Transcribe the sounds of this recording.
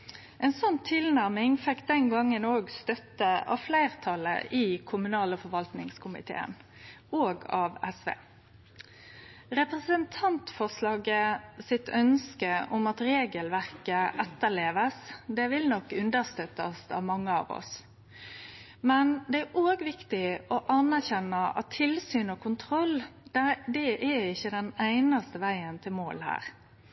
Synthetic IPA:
ɛnsɔnt̪ʰɪlnæʁmɪŋfɛkːd̪ɛnɡɑŋːənoːɡst̪œt̪ːəɑ̰ʋflæɪʁt̪ʰɑlə̰ʔiːkʰʊmʉnɑːləfɔʋɑlt̪nɪŋskʰʊmɪ̰t̪ʰḛːə̰noːɡɑːʋɛsʋḛː | ɾɛpʁəsənt̪ʰɑnt̪fɔʁslɑːɡəsɪt̪œnskəɔmɑt̪ɾeːɡəlʋæʁkəʔɛt̪ːəɭeːʋəsd̪ɛʋɪlnɔkːʉnd̪əɾst̪œt̪ːɑst̪ɑ̰ːʋmɑŋːəɑ̰ːʋɔ̰s | mɛnd̪ɛæʔoːɡʋɪkt̪ɪɔʔɑnæʁçɛnːɑʔɑ̰t̪ʰːɪlsyːnoːkʰʊnt̪ʰɾɔl | d̪ɛʔæɪçːəd̪ɛnæɪnɑst̪əʋæɪənt̪ʰɪlmoːlhæ̰ːɾ

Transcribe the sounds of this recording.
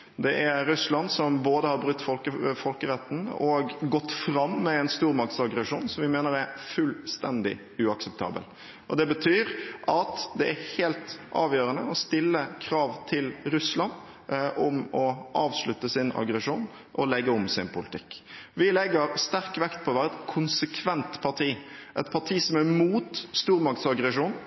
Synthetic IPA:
d̪ɛʔæɾʉslɑnsɔmboːd̪əhɑɾbɾʉt̪ːfɔləfɔlkəɾɛt̪ːn̩ɔɡɡɔt̪ːfɾɑmːɛɛɪnst̪uːɾmɑk̚t̪sɑɡɾɛʂuːnsɔmʋɪmeːnəɾæɾfʉlst̪ɛnd̪ɪ̰ | ʉːɑksɛp̚t̪ʰɑ̰ːbə̰l | ʔɔd̪ɛbət̪ʰyːɾʔɑt̪d̪ɛʔæɾhelt̪ʔɑːʋjøːɾənəɔst̪ɪlːəkʰɾɑːʋt̪ʰɪlɾʉslɑn | ʔɔmɔʔɑːʋslʉt̪ːəsɪnɑ̰ɡɾɛʂuːn | ʔɔlɛɡːəʊmsɪnpʰʊlɪt̪ʰɪkːʋɪlɛɡːəɾst̪æɾkʋɛkt̪̚pʰɔʋæːɾɛt̪kʰʊnsəkʰʋɛnt̪pʰɑʁʈʰiːʔɛt̪pʰɑʈʰiːsɔmæɾmuːt̪st̪uːɾmɑkt̪sɑɡɾɛʂuːn

